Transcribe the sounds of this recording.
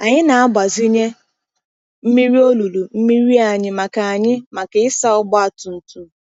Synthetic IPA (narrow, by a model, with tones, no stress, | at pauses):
a˨ɲɪ˦na˨a˦ba˨zi˦ɲe˦ | m̩˦mi˦ɾi˦o˦lu˨lu˨m̩˦mi˦ɾi˦a˨ɲɪ˨ma˨ka˨a˨ɲɪ˦ma˨ke˨ɪ˦sa˦ʊ˦bɔ˦a˨tʊ˨n̩˨tu˨